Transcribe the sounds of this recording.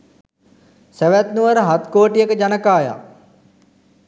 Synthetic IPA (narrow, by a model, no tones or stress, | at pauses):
seʋæt̪nuʋəɾəɦat̪koːʈijəkəd͡ʒanəkaːja̰ː